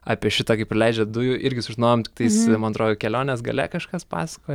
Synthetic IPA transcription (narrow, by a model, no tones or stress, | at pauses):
ɑ̰ːpʲiɛʃʲɪt̪ɐːkɐɪpɾʲɪlʲɛɪd͡ʒʲɛd̪ʊjʊʔɪɾʲɡʲɪsʊʒʲɪnoːjomtʲɪk̚t̪ɐɪsmɐnɐt̪ɾoːjʊkʲɛlʲoːnʲɛsɡɐ̰lʲɛ̰kɐʃkɐspɑ̰ːsɐ̥koːj